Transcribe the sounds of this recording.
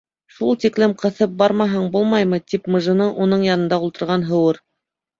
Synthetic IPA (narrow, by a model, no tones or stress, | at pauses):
ʃulˠt̪iklɘmqɤ̆θɤp̚bɑɾmɑɦɤɴbulˠmɑjmɤt̪ipmɤ̆ʒɤ̆nɤʔunɤɴjɑnɤ̆nd̪ɑulˠt̪ɤ̆ɾʁɑnɦɤ̆wɤɾ